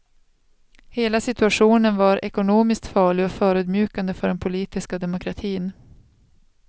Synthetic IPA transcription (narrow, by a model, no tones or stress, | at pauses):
heːlasɪt̪ɵaɧuːnənvaɾʔɛkʊnoːmɪsk̚t̪fɑːɭɪɡɔfœːɾʉːd̪mjʉ̟ːkand̪əfœɖɛnpʰʊliːt̪ɪskad̪ɛmʊkʰɾat̪ʰiːn